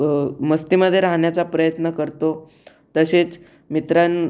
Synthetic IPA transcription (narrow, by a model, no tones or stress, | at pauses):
məst̪iməd̪ʱːjeɾaɦɳjat͡sapɾəjət̪nəkəɾt̪o | t̪əset͡s | mit̪ɾan